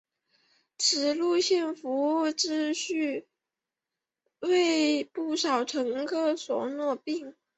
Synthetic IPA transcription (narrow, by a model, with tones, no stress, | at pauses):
ʈ͡ʂʰɻ̩˨˩lu˥˧ɕjɛ˥˩nfu˧˥u˥˩ʈ͡ʂɻ̩˥˧ɕy˥˧ | we˥˧ɪpu˥˩ʂɑ˨˩ʊʈ͡ʂʰɤ˧˥ŋkʰɤ˥˩swɔ˨˩nwɔ˥˧pi˥˩ŋ